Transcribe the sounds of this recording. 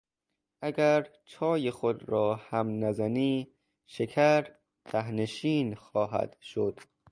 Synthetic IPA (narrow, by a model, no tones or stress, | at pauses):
ʔæɡæɾt͡ʃʰɒːjexod̪ɾɒːhæmnæzæniː | ʃekʰæɾ | t̪ʰæɦneʃiːnxɒːɦæ̰d̪̥ʃod̪̥